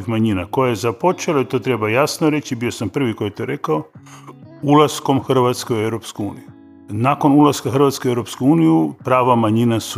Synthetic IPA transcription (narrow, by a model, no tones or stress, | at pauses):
ifmaɲinakojajezapo̞t͡ʃelait̪o̞ːt̪ɾe̞bajasnoɾe̞t͡ɕibiosampr̩ʋikojet̪oɾe̞kao | ulasko̞mxr̩ʋat̪skeoewɾo̞pskuṵːniju | nako̞nulaskaxr̩ʋat̪skeuevɾo̞p̪skuuːnijupɾaːʋamaɲinasu